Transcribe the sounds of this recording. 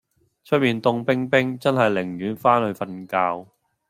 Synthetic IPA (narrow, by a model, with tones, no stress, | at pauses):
t͡ʃʰɵ˥t̚miː˨nt̪ʊ˧ŋpɪ˥ŋpɪ˥ŋt͡sɐ˥nɦɐ˨jlɪ˨˩ŋjyː˨˥nfaː˥nhɵ˧ɥfɐ˧nkaː˧w